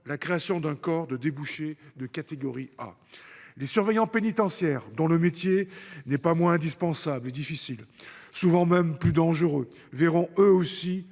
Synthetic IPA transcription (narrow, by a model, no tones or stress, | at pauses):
lakχeasjɔ̃d̪ɛ̃kɔʁd̪əd̪ebuʃed̪əkat̪eɡɔʁia̰ | lesyʁvɛjɑ̃penit̪ɑ̃sjɛʁd̪ɔ̃ləmet̪jenɛpamwɛ̃ɛ̃d̪ispɑ̃sabled̪ifisilsuvɑ̃mɛmplyd̪ɑ̃ʒəʁø | vɛʁɔ̃øosi